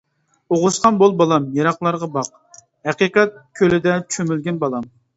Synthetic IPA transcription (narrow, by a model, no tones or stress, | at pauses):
oʁʊsqɑnbolˠbɑlˠɑmjɑɾɑqlˠɑɾʁɑbɑq̚ | hæqiqɛt̪̚kʲʰølɪd̪ɛt͡ʃʰømylɡʲɛnbɑlˠɑm